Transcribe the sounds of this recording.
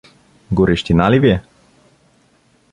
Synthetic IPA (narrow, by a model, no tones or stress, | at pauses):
ɡɔɾɛʃt̪inaliviɛ